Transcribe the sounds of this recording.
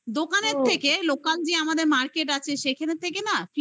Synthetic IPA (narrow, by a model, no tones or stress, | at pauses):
d̪okaneɾt̪ʰːekelokald͡ʒeamad̪eɾmaɾkeʈat͡ɕʰeʃekʰeneɾt̪ʰekenaf